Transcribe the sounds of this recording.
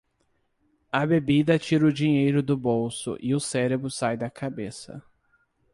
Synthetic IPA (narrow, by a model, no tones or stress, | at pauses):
ɐbebid̪ɐt͡ʃiɾʊd͡ʒĩɲejɾʊd̪ʊbowsʊ̰ʔɪʊsɛɾebɾʊsajd̪ɐkʰabesɐ̰